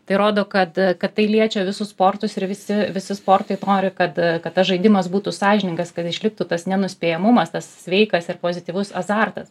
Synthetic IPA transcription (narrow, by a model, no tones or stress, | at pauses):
t̪ɐɪɾoːd̪oːkɐt̪kɐt̪tɐɪlʲiɛt͡ʃʲoːʋʲɪsʊspoːrt̪ʊsɪɾʋʲɪsʲɪʋʲɪsʲɪspoːrt̪ɐɪnoːɾʲɪkɐt̪kɐt̪̚tɐsʒɐɪdʲɪmɐsbuːt̪usɑːʒʲɪnʲɪŋɡɐskɐt̪ɪʃʲlʲɪk̚t̪uːt̪ɐsnʲɛnʊsʲpʲeːjɛmʊmɐst̪ɐssʲʋʲɛɪkɐsɪrpoːzʲɪt̪ʲiːʋʊsɐzɑrt̪ɐs